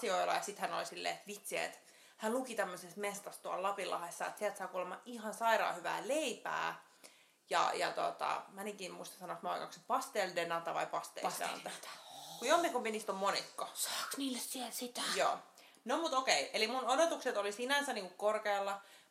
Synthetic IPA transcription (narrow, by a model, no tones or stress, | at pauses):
sioilɑ̰jɑsit̪hæno̰lisilːḛːet̪ʋit̪siḛt̪ | hænlukit̪æmːøsesmest̪ɑst̪uɑllɑpilːʔɑ̰hesːɑḛt̪siælt̪sɑːkuːlemːɑʔihɑnsɑiɾɑ̰ːhyʋæ̰ːleipæ̰ː | jɑ̰jɑ̰t̪o̰t̪ɑ̰mæniŋkiːmmuist̪ɑ̥sɑnosmɑ̰ikɑ̰ksepɑst̪eldenɑt̪ɑʋɑ̰ipɑst̪ḛːdḛnɑ̰æt̪kujomːikumpinist̪ommonikːosɑ̥ːksniːlːessielsit̪æjo̰ː | nomut̪okeiʔelimunodot̪ukset̪olisinænsæniːŋkukkorkeːlːɑ